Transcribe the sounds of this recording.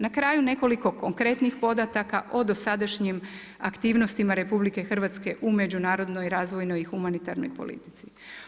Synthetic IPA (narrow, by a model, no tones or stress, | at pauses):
nakɾaːjune̞ko̞liko̞ko̞ŋkɾe̞t̪nixpo̞d̪at̪akaʔo̞d̪o̞sad̪aʃɲim | a̰kt̪iːʋno̞st̪imaɾe̞publike̞xr̩ʋat̪ske̞ʔume̞d͡ʑunaːɾo̞d̪no̞jɾaːzʋo̞jno̞jixumanit̪a̰ɾno̞̰jpo̞̰lḭt̪i̥t̪si̥